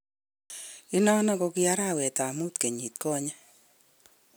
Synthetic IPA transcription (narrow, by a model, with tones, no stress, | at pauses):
i˦nɔ˦nɔ˦ko˧kɪ˦a˦ɾa˦˨wɛ˨ta˨mu˦t̪ke˨ɲi˨t̪̚kɔ˦ɲa˦